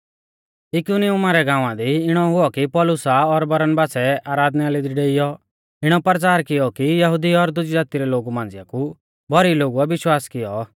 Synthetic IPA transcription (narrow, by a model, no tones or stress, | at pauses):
ɪkuniʊmaɾɛɡãːʊ̃ãd̪iɪɽ̃ɔɦʊɔkipɔlʊsaɔɾbɐɾənbaːsɛaːɾaːd̪nɛalid̪iɖeːɪjɔ | ɪɽ̃ɔpɾt͡ʃaːɾkɪjɔkijɐɦʊd̪iɔɾd̪ʊd͡ʒjaːt̪iɾɛloːɡumãːnd͡zɪjaku | bɔɾiloːɡuabɪʃwaːskɪjɔ